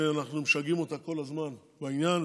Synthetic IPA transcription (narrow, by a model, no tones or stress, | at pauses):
eanaχnumeʃaɡimo̞t̪ako̞lazman | bainjan